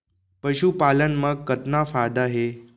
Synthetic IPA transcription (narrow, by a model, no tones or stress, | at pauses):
pəʃupalənməɡkːət̪nafajd̪aɦe